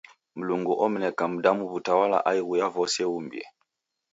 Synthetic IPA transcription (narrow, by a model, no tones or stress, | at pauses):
m̩luŋɡuʔɔm̩nɛkam̩damuβutawala̰ʔaiɣujavɔsɛumbjɛ̰